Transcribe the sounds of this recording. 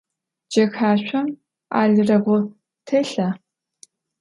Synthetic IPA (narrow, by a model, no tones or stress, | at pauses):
d͡ʒɐxħaːɕʷʰɐm | a̰ːɮɨrɐɡʷʊ | tʰɐɬɐ